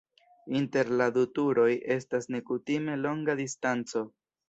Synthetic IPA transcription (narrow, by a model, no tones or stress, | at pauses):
inte̞ɾladutuɾo̞jʔe̞stasne̞kutime̞lo̞ŋɡadistant͡so̞